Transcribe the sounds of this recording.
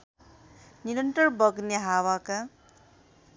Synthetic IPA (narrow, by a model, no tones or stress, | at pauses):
niɾʌnʈ̪ʌrbʌɡneɦawaka